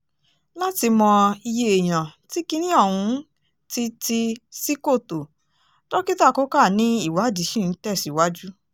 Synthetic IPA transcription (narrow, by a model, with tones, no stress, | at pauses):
la˦ti˧mɔ̃˧i˧je˧e˨j̃ã˨ti˦ki˦nĩ˦ɔ˦˨wũ˧˦ | ti˦ti˧si˦ko˦˨to˨ | tɔ˦ki˦ta˦˨kɔ˦ka˦˨nĩ˦i˦˨wa˨˦˨di˨˦ʃĩ˦˨˦tɛ˦˨si˨wa˦d͡ʒu˦